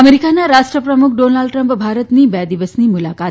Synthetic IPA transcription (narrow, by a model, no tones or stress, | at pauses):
əmeɾikanaɾaʂʈɾəpɾəmukʰɖonalɖʈɾəmpbʱaɾət̪niːbjad̪iʋəsniːmulaka